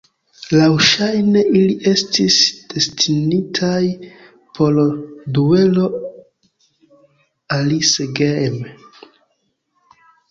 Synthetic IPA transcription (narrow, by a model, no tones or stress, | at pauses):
lawʃajne̞ʔiliʔe̞stisd̥e̞stinitʰaj | pʰo̞ldue̞lo̞ | aliseɡeme